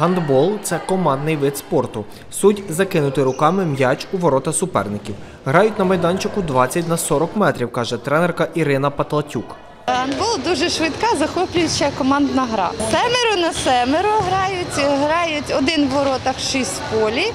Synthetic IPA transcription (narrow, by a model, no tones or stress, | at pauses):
ɦɐnd̪bɔlˠt̪sɛkɔmɑnd̪nɪjʋɪt̪spɔrt̪ʊ | sudʲzɐkɪnʊt̪ɪɾʊkɑmɪmjɑt͡ʃuʋɔɾɔt̪ɐsʊpɛ̰rnɪkʲiw | ɦɾɑjʊtʲnɐmɐjd̪ɑnʲt͡ʃɪkʊd̪ʋɑt͡sʲːɐtʲnɐsɔɾɔkmɛt̪ɾʲiwkɑʒɛt̪ɾɛnɛrkɐʔiɾɪnɐpɐt̪lˠɐtʲuk | ɦɐnd̪bɔlˠd̪uʒɛʃʋɪt̪kɑzɐxɔplʲʊjʊt͡ʃɐkɔmɑnd̪nɐɦɾɑ̰sɛmʲɪɾʊnɐsɛmɪɾʊɦɾɑjʊtʲɦɾɑjʊtʲɔd̪ɪnʋɔɾɔt̪ɐkʃisʲpɔlʲi